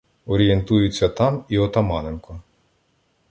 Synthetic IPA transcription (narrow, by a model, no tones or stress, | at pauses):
ɔɾʲije̞nt̪ujʊt͡sʲːɐt̪ɑmiɔt̪ɐmɑnenkɔ